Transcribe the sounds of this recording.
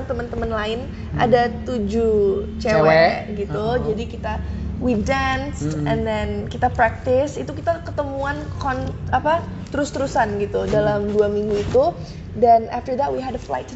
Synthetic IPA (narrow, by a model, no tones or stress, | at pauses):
t̪əmənt̪əmənlaɪn | ʔa̰dat̪ud͡ʒut͡ʃewɛɡit̪ud͡ʒadikit̪awidansɛndɛnkit̪apɾak̚t̪ɪsit̪ukit̪akət̪əmuankɔnapat̪əɾʊst̪əɾusanɡit̪udalamduamiŋɡuit̪u | danaft̪ərd̪ɛt̪̚wiɦɛdəfla̰jt̪